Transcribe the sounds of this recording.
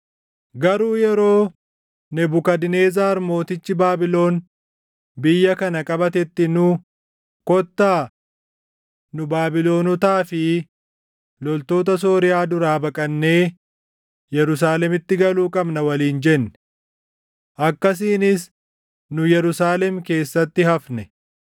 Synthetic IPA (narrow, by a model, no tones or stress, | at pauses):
ɡɐɾuːjɛɾo̞ː | nɛbʊkɐd̪ɪne̞ːzaːɐɾmo̞ːt̪ɪt͡ʃːɪbaːbɪlo̞ːn | bɪjːɐkɐnɐkʼɐbɐt̪ɛt̪ːɪnʊ | kɔt̪ːaː | nʊbaːbɪlo̞ːnɔt̪aːfɪ | lɔlt̪o̞ːt̪ɐs̬o̞ːɾɪjaːd̪ʊɾaːbɐkʼɐnːe̞ː | jɛɾʊs̬aːlɛmɪt̪ːɪɡɐluːkʼɐbnɐwɐliːnd͡ʒɛnːɛ̥ | ʔɐkːɐs̬iːnɪs | nʊjɛɾʊsaːlɛmke̞ːsːɐt̪ːɪɦɐfnɛ